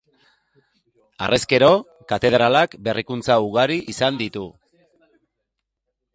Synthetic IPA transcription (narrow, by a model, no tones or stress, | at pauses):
a̰rʔeske̞ɾo̞ | kat̪e̞ð̞ɾalakbe̞rʔikunt͡sauɣaɾiʔisand̪it̪u